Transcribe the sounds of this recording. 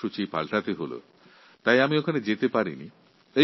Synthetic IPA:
ut͡ɕipa̰lʈat̪eɦolo̰ | t̪ajamiokʰaned͡ʑet̪epaɾḭnḭ | e

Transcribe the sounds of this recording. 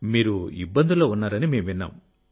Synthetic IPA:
miːɾuḭbːɐnd̪uloːunːaːɾɐnime̞ːmʋinːa̰ːm

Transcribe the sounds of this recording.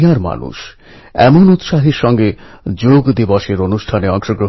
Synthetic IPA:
aɾma̰nṵʃ | ɛ̰monut̪ʃaɦeɾʃɔŋɡed͡ʑoɡd̪ibɔʃeɾonuʃʈʰaneɔŋʃoɡɾo

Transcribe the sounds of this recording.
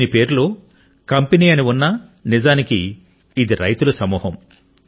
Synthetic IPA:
nipe̞ːɾloː | kɐmpeniːɐniunːɐnizaːnikiː | d̪iɾɐ̰jt̪ulɐsɐmuːɦɐm

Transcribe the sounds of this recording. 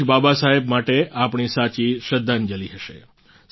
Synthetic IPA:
babasaɦebmaʈeʔapɳisat͡ʃiʃəd̪ʱːand͡ʒəliɦəʃḛ

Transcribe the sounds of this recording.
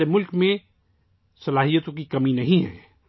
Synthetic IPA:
emʊlkmẽ | sɐlaːɦijət̪õkikɐminɐɦĩɦɛ̰ː

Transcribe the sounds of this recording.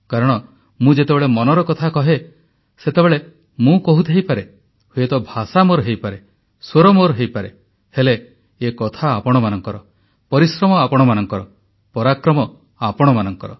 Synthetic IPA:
kaɾɔɽ̃ɔ | mũd͡ʒet̪ebeɭemɔnɔɾɔkɔt̪ʰakɔɦe | set̪ebeɭe | mũkɔɦut̪ʰɦejpaɾe | huet̪ɔbʱasamoɾɦejpaɾe | swoɾɔmoɾɦejpaɾe | heleː | kɔt̪ʰaːpɔɽ̃ɔmanɔŋkɔɾɔ | pɔɾisɾɔmɔapɔɽ̃ɔmanɔŋkɔɾɔ | pɔɾakɾɔmɔ | apɔɽ̃ɔmanɔŋkɔɾɔ̰

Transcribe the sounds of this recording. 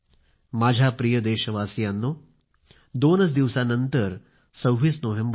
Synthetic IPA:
maːd͡ʒʱaːpɾijɐd̪eːʃɐʋaːsijaːnːu | d̪oːnɐs̬d̪iʋsaːnɐnt̪ɐɾ | sɐwʋisnoːɦemb

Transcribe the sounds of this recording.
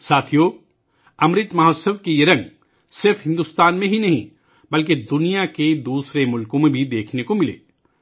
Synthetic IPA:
saːt̪ʰijoː | ɐmɾɪt̪mɐɦoːsəʋkejeɾɐ̃ŋɡ | sɪɾfɦɪ̃nd̪uːst̪aːnmẽɦinɐɦḭ̃ | bɐlk̬ed̪ʊnijaked̪uːsɾemʊlkõmẽbʱid̪eːkʰnekomɪlḛː

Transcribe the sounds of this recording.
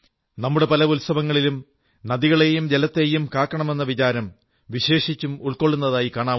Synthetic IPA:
nɐmːuɽe̞pɐlɐulsɐbɐŋːɐɭilum | nɐðiɣɐɭejumd͡ʑelɐt̪ːe̞jumkaːkːɐɳɐme̞nːɐʋit͡ɕaːɾɐm | ʋiɕe̞ːʂit͡ɕːumuɭkoɭːunːɐðaːjikaːɳaː

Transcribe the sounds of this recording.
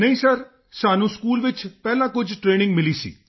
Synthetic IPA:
nəĩːsəɾ | saːnũːskuːlʋɪt͡ʃpɛːlãːkʊd͡ʒʈɾeːnɪ̃ŋɡmɪliːsḭː

